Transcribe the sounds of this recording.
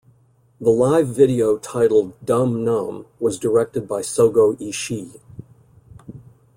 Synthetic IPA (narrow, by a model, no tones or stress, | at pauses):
ðəlaɪvːɪɾioʊtʰaɪɾl̩ˠddʌ̃mnʌ̃mwʌzdə˞ɛk̚tɨd̚baɪsoʊɡoʊʔiʃi